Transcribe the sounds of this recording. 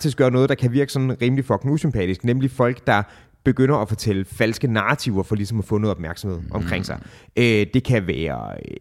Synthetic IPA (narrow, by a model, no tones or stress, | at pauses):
ɑɡ̥ʰisɡ̥ɶːɐnɔ̽ːð̩ˠd̥ɑ̈kʰæʋiɐɡ̥ə̥sɒ̽n̩ʁiːmlifɒ̽ɡ̥nŋ̩usympʰɛ̰ːd̥isɡ̥nemlifɒ̽l̰ɡ̥d̥ɑ̈ | b̥e̝ɡ̥øn̰ɐɒfɒ̽t͡sʰeləfæl̰sɡ̥ənɑ̈ːt͡sʰiʊɐfɒ̽lisɒ̽mɒfɔ̽ːno̽ːð̩ˠɒ̽b̥mæɐɡ̥sɒm̩he̝ð̞̰ˠɒ̽mkʰʁeŋ̰sɑ̈ɪød̥e̝kʰæʋæːɐ̰